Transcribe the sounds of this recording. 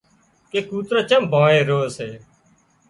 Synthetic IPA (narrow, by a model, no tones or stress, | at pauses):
keːkuːt̪ɾaːt͡ʃə̃mbʱãːeːɾoːəseː